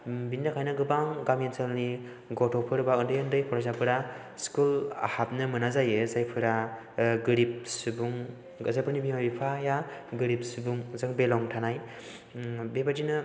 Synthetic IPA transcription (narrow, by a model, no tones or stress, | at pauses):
bindakʰajnɯɡɯbaŋɡamenselni | ɡɔtʰɔpʰɯɾbaɯndɯjɯndɯjpʰɔɾɔzapʰɯɾa | skula̰hap̚nɯmɯnazajɯzajpʰɯɾa | ɡɯɾip̚sɯbuŋ | zajpʰɯɾnibimabipʰajaɡɯɾip̚sɯbuŋzɯŋbelɔŋtʰanaj | bebadinɯ